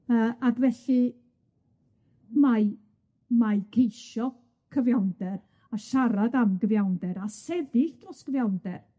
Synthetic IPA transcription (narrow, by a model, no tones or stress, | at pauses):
əːʔaɡvɛɬɨ | ma | majkʰejʃɔ | kʰəvjawndɛɾ | aʃaɾadamɡəvjawndɛɾasɛðɪɬd̥rɔsɡ̥əvjawndɛr